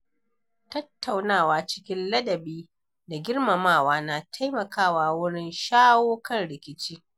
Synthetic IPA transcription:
tɐ˦tːa˨wnaː˦˨waː˨t͡ʃɪ̥˦kʲɪ˦nlɐ˦dɐ˨biː˦ | da˨ɡʲɪ˦ɽmɐ˨maː˦˨waː˦na˨tʰa˦jmɐ˨kaː˦˨waː˨wʊ˦ɽɪ˦nʃaː˦woː˦kɐ˦˨nɽɪ˨kʲɪ˨t͡ʃiː˦

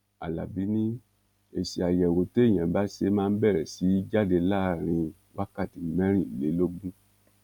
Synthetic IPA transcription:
a˨la̰˨bi˨˦nĩ˦ | e˨si˨a˨jɛ˨wo˨te˦˨j̃ã˨ba˨˦ʃe˧˦mãː˦˧n̩˦bɛ˦˨ɾɛ˨si˨˦d͡ʒa˦de˧la˦˨ɾ̃ĩ˧ | wa˦ka˦˨ti˨mɛ̃˦ɾ̃ĩ˦˨i˨le˨˦lo˦ɡ͡bũ˦

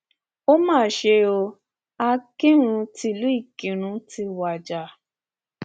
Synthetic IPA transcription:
o˦mãː˦˨ʃe˧o˧ | a˧kĩ˦ɾ̃ũ˧ti˧˦˨lu˨˦i˦˨kĩ˨ɾ̃ũ˧˦ti˧wa˨d͡ʒa˨

